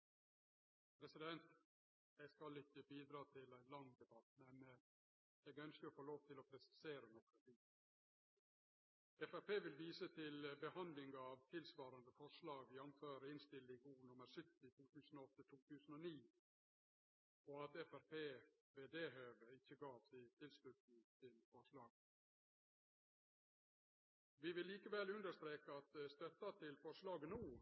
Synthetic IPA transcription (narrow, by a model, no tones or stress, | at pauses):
pʰɾɛsɪd̪ɛnt̪ | jæɪskɑlɪçəbiːd̪ɾɑːt̪ʰɪlɛnlɑŋd̪ɛbɑt̪mɛn | jɛɡœnskəɔfoːloːʋt̪ʰɪlɔpʰɾɛsɪ̥seːɾənɔkɾət̪iː | ɛfæɾpeːʋɪlʋiːsət̪ʰɪlbəhɑnd̪lɪŋɑʋt̪ʰɪlsʋɑːɾɑnd̪əfɔʂlɑːɡʋɪjɑnføːɾəɪnst̪ɪlɪɡuːnʊməɾsʏt̪ːɪt̪ʰuːt̪ʰʉːsənɔɔt̪ːət̪ʰuːt̪ʰʉːsənɔniː | oːɑt̪ɛfæɾpʰeːʋeːd̪eːɦøːʋəɪçːəɡɑːʋsɪt̪ʰɪlslʉt̪nɪt̪ʰɪlfɔʂlɑːɡ | ʋɪʋɪlːiːkəʋɛlʉnd̪əʂt̪ɾeːkəɑt̪st̪œt̪ːɑt̪ʰɪlfɔʂlɑːɡənuː